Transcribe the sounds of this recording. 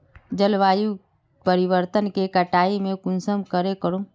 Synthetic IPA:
d͡ʒəlʋaːju | pəɾɪwəɾt̪ənkekəʈaːimẽkʊnsəmkəɾekəɾo

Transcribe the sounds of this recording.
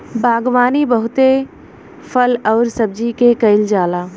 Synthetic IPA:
bʱaːɡwaːnibəɦʊt̪e | fʰəlɔːɾsəb̚d͡ʒikekɐɪld͡ʒaːlaː

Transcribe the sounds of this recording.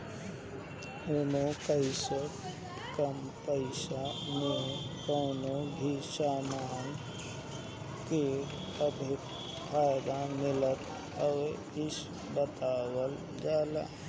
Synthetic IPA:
unokəɪsə | kəmpəɪsamẽkoːnobʱisaːmaːn | ke | əbʱɪ | bʱaːɡ̪ãmɪlət̪ | ɔːɾ | ɪs | bət̪aːwəl | d͡ʒaːla̰ː

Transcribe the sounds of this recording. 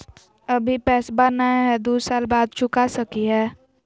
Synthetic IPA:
əbʱipɛːsbanaeɦɛd̪uːsaːlbaːd̪̚t͡ʃʰʊkasəkiɦɛː

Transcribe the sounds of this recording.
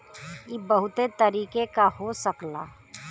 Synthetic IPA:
jiːbɐɦʊt̪et̪ɐɾiːkekaɦosəkla̰ː

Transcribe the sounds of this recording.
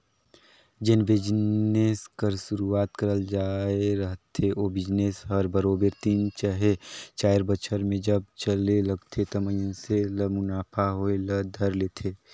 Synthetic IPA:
d͡ʒɪnbɪd͡ʒneskəɾʃʊɾuaːt̪kəɾəld͡ʒaːeɾəɦt̪ʰeʔoːbɪd͡ʒneːsɦəɾbəɾoːbəɾt̪iːnt͡ʃəɦet͡ʃaːɪɾbət͡ʃʰəɾmẽd͡ʒəb̚t͡ʃəleləɡt̪ʰet̪ɐməjseləmʊnaːpʰaɦoeləd̪ʱəɾleːt̪ʰeː

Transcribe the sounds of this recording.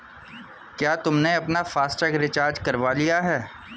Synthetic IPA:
kjaːt̪ʊmneɐpnafaːsʈəkɾɪt͡ʃaːɾd͡ʒkɐɾʋalijaɦɛː

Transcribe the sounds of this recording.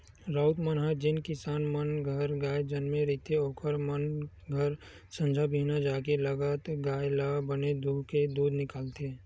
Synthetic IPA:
ɾaːʊt̪mənɦad͡ʒɪnkɪsaːnmənɡʱəɾɡaːjd͡ʒənmẽɾit̪eoːkʰəɾmən | ɡʱəɾ | sə̃nd͡ʒʱabʱiːnad͡ʒaːkeləɡət̪ɡaːjlabəned̪uːɦked̪uːd̪nɪkaːlt̪e

